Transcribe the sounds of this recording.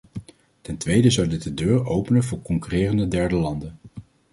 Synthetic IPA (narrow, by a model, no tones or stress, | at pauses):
tɛntʋejdəzɑwdɪt̚dədøːɹowpənənvʊːɹkɔŋkyrɪːrəndədɛɹdəlɑndən